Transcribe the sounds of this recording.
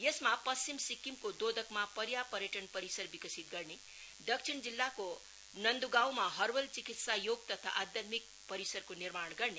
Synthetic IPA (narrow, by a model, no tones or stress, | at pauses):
jesmapʌsimsikːimkod̪od̪ʌkmapʌɾjapʌɾjəʈʌnpʌɾisʌɾbikʌsit̪̚ɡʌɾne | d̪ʌksʰiɳd͡zilːako | nʌnd̪uɡawmaɦʌɾwʌlt͡sikit̪sajoɡ̚t̪ʌt̪ʰa̰ʔad̪jʌt̪mik̚ | pʌɾisʌrkoniɾmaɽ̃ɡʌrne